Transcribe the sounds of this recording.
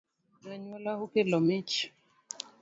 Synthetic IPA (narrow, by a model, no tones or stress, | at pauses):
naɲwɔlahukelɔmit͡ʃ